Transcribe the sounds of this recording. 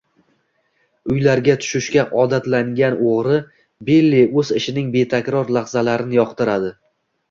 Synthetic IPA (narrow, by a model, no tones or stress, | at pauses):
ʊjlaɾɡʲat̪ʰʊ̥ʃɪʃkʲaʔɒd̪at̪laŋɡʲanoʁɾɪ | belːiɵzɪʃɪnɪŋbe̞t̪ʰakʲɾɒɾlˠaχzalaɾɪnɪjɒqt̪ɪɾad̪ɪ